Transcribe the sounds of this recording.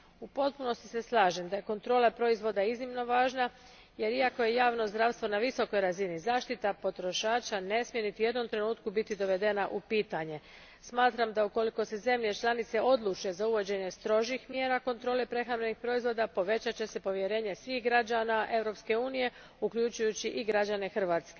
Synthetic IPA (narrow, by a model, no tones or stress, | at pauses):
upo̞t̪̚puno̞st̪i̥se̞slˠaːʒemd̪ajeko̞nt̪ɾo̞ːlepɾo̞izʋo̞d̪aiznimno̞ʋaːʒna | je̞ɾiako̞je̞jaːʋno̞zd̪ɾaːʋst̪ʋo̞naʋiso̞ko̞jɾazinizaːʃt̪it̪apo̞t̪ɾo̞ʃaːt͡ʃane̞smijenit̪iujed̪no̞mt̪ɾe̞nuːt̪kubit̪id̪o̞ʋe̞d̪e̞naʔupiːt̪aɲe̞ | smaːt̪ɾamd̪auko̞liko̞se̞ze̞mʎe̞t͡ʃlˠanit̪se̞ʔo̞d̪lˠut͡ʃe̞zauʋo̞d͡ʑe̞ɲe̞st̪ɾo̞ʒixmje̞ːɾako̞nt̪ɾo̞ːlepɾe̞xɾamɾe̞nixpɾo̞izʋo̞ːd̪apo̞ʋe̞t͡ɕat͡ɕe̞se̞po̞ʋje̞ɾe̞ːɲe̞sʋiːxɡɾad͡ʑaːnaʔe̞ʋɾo̞pske̞uːnije̞ | ukʎut͡ɕujut͡ɕiʔiɡɾad͡ʑane̞xr̩ʋaːt̪ske̞